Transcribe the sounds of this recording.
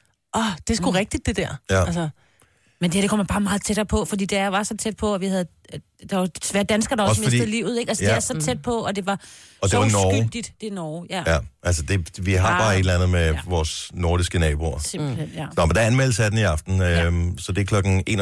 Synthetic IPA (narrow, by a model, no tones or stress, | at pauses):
ʔɒd̥e̝sɡ̥uʁɛɡ̥̚d̥id̥ːe̝d̥æɐ̰jæælsə | mend̥e̝hæɐdekɒ̽mɐb̥ɑ̈ːmɑ̈ːð̞̩ˠt͡sʰed̥ɐːpʰɒ̽fɒd̥ḭːd̥e̝ʋɑ̈sɒ̽t͡sʰed̥̚pʰɒ̽ʋiɦæð̞̩ˠ | d̥ed̥sʋæːɐd̥ænsɡ̥ɐd̥ɑɒsmedḭliʊð̩̰ˠeɡ̥ælsə̥eæɐsɒ̽t͡sʰed̥̚pʰɒ̽ɒd̥e̝ʋɑ̈ɒ̥̽e̝ʋɑnːyn̰d̥id̥d̥e̝nɒːjæjæʔælsəd̥e̝̥ʋiɦɑ̈b̥ɑ̈ːe̝d̥l̩ænð̩ˠmeʋɒːsno̝ɐdisɡ̥ənɛːb̥oɐsem̰b̥l̩henjænɒmnd̥æænmel̰sæd̥en̩iɑ̈fd̥n̩øsɒ̽d̥eækʰlɒ̽ɡ̥ŋ̩e̝̰ːn